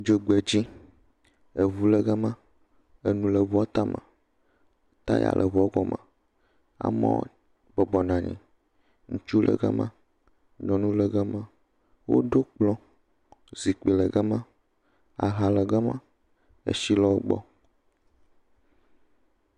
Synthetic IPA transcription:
d͡ʒe˨ɡ͡bɛ˨d͡ʑi˦ | e˨βu˦lə˨ɡɛ˦mã˦ | e˨nũ˨lə˨vu˦a˦t̪a˦mə̰˨ | t̪a˦ja̰˨lʔə˨βɔ˨˦ɡɔ˨mə̰˨ | a̰˨mɔ̰̃˦ | bɔ˨bɔ˨nã˨ɲḭ̃˨ | ŋũ˨t͡ʃu˦lʔə̰˨ɡa̰˦mã̰˦ | ɲɔ̃˨nũ˦lə˨ɡə˦mã˦ | wo̰˦ɖo˦k͡plɔ̃˦ | zi˨k͡pi˨lə˨ɡɛ˦mã˦ | a̰˨ɦa˨lə˨ɡa˦mã˦ | ḛ˨ʃi˦lɔ˦ɡ͡bɔ̰˦

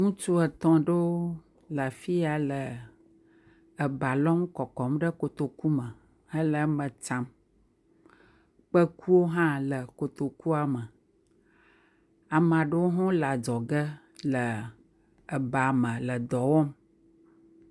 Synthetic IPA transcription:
ŋũ˦t͡ʃu˦ə˨t̪ɔ̃˨ɖə˦wo˦ | la˨fi˦a˨lə˨ | ə˨ba˨lɔ˦ŋ˦kɔ˨kɔ˨mɖə˦ko˨t̪o˨ku˦mə˨ | ə˦lə˨mə̃˨t͡ʃã˦m | k͡pə˦ku˦wo˦ɦã˦lə˨ko˨t̪o˨ku˦a˨mə˨ | a˨m˨ã˨ɖə˦wo˦ɦɔ̃˦la˨d͡ʒɔ˨ɡə˦ | lə˨ | ə˨ba˨mə̃˨lə˨d̪ɔ˨wɔ˦m

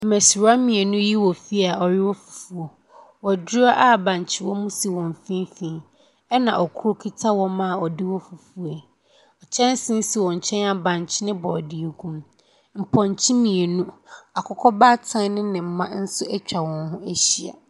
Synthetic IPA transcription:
m̩˨mæ˨sɾa˦mĩ˨e˨nũ˦ji˦wɔ˨fi˦a˨ɔ˨ɾɪ˦wɔ˦fu̥˨fu˨o˨ | wɔ˨dɪ˦a˦ʔa˦˨bã˨ɲ˨t͡ɕʰɪ˦wɔ˦mũ˦si˨wɔ̃˨m˨fĩ˦m˦fĩ˨˦ | ɛ˦nã˨ʔɔ˨kʰu˦ɾo˦kʰi˦tʰa˦wɔ̃˦mã˦˨ɔ˨dɪ˦wɔ˦fu˨fu˨e˨ | ɔ˨t͡ɕʰɛ̃˦n˦sɪ̃˦si˨wɔ̃˨ɲ˨t͡ɕʰɛ̃˦na˨bã˨ɲ˨t͡ɕʰɪ˦nɪ̃˦bɔ˨di˨e˨kʰũ˦m | m̩˨pʰɔ̃˨ɲ˨t͡ɕʰi˦mĩ˨e˨nũ˦a˨kʰɔ˦kʰɔ˦baː˦tʰã˦n˦nɪ̃˦nɪ̃˨m̩˨mã˦n̩˦sʊ˦ɛ˦t͡ɕᶣa˨wɔ̃˨nɦʊ̃˦æ˦ɕi˨a̰˨

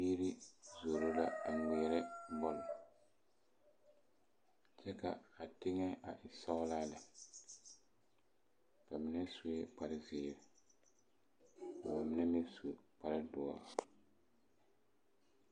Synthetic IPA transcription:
biː˦ɾi˦zo˨ɾo˦la˦a˨ŋɛː˨ɾɛ˦bɔ˦lɔ˨ | t͡ʃɛ˦ka̰˨a˨tɪ˦ŋɛ˦a˨ʔɪ˨sa˦ʊ˦laː˦la˨ | ka˨mɪ˦nɛ˦su˨ɛ˦k͡pa˦ɾɪ˦zɪː˨ɾɪ˨ | ba˨mɪ˦nɛ˦mɛ˦su˨k͡pa˦ɾɪ˦dʊ˨ɔ̰˨la˨

